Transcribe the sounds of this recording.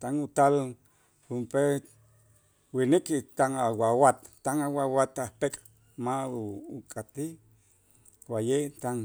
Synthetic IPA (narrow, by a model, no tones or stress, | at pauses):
t̪anut̪al | humpe | winikit̪anawawat̪ːanawawat̪ahpekʼ | makʼat̪i | wajet̪an